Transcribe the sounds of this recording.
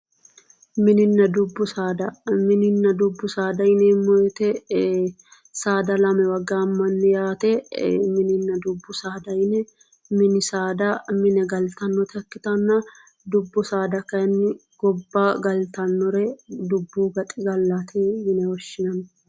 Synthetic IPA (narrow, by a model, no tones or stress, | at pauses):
mɪnɪnːɐd̪ʊbːʊsaːd̪ɐmɪnɪnːɐd̪ʊbːʊsaːd̪ɐjɪnɛmːɔjɔt̪ɛ | saːd̪ɐlɐmɛwɐɡːamːɐnːɪjaːt̪ɛmɪnɪnːɐd̪ʊbːʊsaːd̪ɐjnɛ | mɪnɪsaːd̪ɐmɪnɛɡɐlt̪ɐnːɔt̪ʰɐkːɪt̪ɐnːɐ | d̪ʊbːʊsaːd̪ɐkɐjɐnːɪ | ɡ̥ɔbːaɡɐlt̪ɐnːɔɾɛd̪ʊbːuːɡɐt̪ʼɪɡɐlːat̪ʰimɪnɛwɔʃːɪnɐn